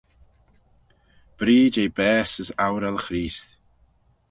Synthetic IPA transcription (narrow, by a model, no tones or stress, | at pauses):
b̥ɾiːd͡ʒejbɛːsəsawɾalxɾiːsθ